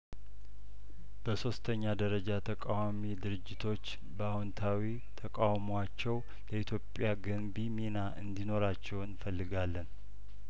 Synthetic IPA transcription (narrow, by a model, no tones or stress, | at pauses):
b̥əso̞st̪ʰəɲːad̪əɾəd͡ʒat̪ʰəkʼawamid̪ɨɾɨd͡ʒːɪt̪ʰo̞t͡ʃː | bəawɔnt̪ʰawi | t̪ʰəkʼawmwat͡ʃːɛw | ləit̪ʰjo̞pʼːjaɡəmbiminaʔɨnd̪ino̞ɾat͡ʃːɛwnfəlːɨɡalːən